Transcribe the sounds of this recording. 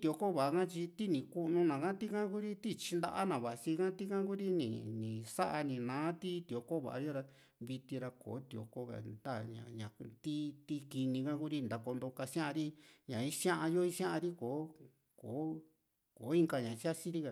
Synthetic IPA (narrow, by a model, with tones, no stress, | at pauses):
t̪i˧˨o˧ko˦˨βa˨a˧kã˦t͡ʃi˧t̪i˦nĩ˨ku˦nũ˧nã˨kã˦t̪i˦kã˦ku˦ɾi˦t̪i˦t͡ʃi˧nd̪a̰˧ʔa˦nã˨βa˨˧si˧kã˦t̪i˦kã˦ku˦ɾi˦nḭ̃˨nĩ˨sa˦ʔa˧nĩ˨nãː˨˦t̪i˦t̪i˨o˧ko˦βa̰˨ʔa̰˧jo˦ɾa˧ | βi˧t̪i˧ɾa˧ko̰ː˨˦t̪i˧˨o̰˨˧˨ko˦ka̰˨nd̪a˦˨ɲã̰˨ɲã˨t̪i˦t̪i˦ki˧nĩ˧kã˦ku˦ɾi˧nd̪a˨ko˧nd̪o˧ka˧ʃã˦ʔã˧ɾi˦ɲã˨i˦sj̃ã˦ʔa˧jo˦i˦ʃjã˦ã˧ɾi˦koː˨˦ | koː˨˦ | koː˨˦i˦˧ŋka˧ɲã˨˧si˦a˦si˦ɾi˦ka˧